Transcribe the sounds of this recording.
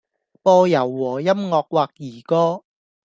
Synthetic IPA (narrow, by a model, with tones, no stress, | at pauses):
pɔː˧jɐ˨˩wːɔː˨˩jɐ˥mŋɔː˧k̚waː˧k̚jiː˨˩kɔː˥